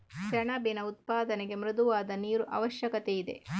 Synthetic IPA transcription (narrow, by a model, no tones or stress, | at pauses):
ʃɐɳɐbinɐut̪̚paːd̪ɐneɡe̞mɾɪd̪uʋaːd̪ɐniːɾuʔɐ̰ʋɐʃjɐkɐt̪eid̪e̞̰